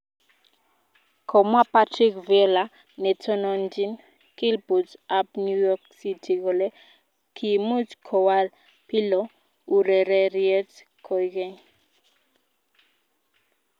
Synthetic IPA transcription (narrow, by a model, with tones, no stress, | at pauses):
kʰɔ˨mwa˦pa˦tɾi˦kvɛ˦la˨ | nɛ˨tʰɔ˦nɔnd͡ʒi˦n | ki˦lbu˨dapnjujɔksitʰi˨ɡɔ˨lɛ˦ | kʰi˨mu˦tkʰɔ˨wa˦l | pi˦lɔ˨ | u˨ɾɛ˨ɾɛ˦ɾiɛ˦t | kʰɔjɡɛ˦ɲ